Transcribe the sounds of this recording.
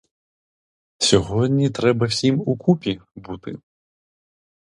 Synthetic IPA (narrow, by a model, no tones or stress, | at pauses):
sʲɔɦɔd̪ʲnʲit̪ɾɛbɐwsʲimukʰupʲibut̪ɪ̰